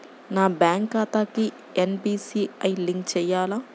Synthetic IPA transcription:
naːbjaːŋkːaːt̪aːki | enbiːsiːɐjliŋkt͡ʃɛːjaːlaː

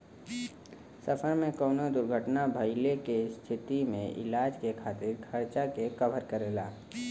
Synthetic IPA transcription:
səfʰəɾmẽkɔːnod̪ʊɾɡʱəʈnabʱəɪlekest̪ʰɪt̪imḛ̃ʔɪ̰laːd͡ʒkekʰaːt̪ɪɾkʰəɾt͡ʃakekəbʱəɾkəɾeːlaː

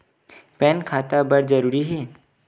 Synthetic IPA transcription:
pɛnkʰaːt̪abəɽd͡ʒəɾuːɾiɦeː

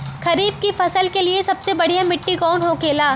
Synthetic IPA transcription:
kɐɾiːb̚kifɐsəlkeliesɐbsebɐɽ̤ijãmɪʈːikɔːnɦokeːlaː

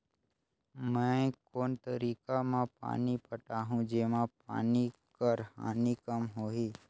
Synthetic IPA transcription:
mɛ̃koːnt̪əɾiːkamãpa̰ːnipəʈaɦũd͡ʒeːmãpa̰ːnikəɾha̰ːnikəmɦoːɦiː

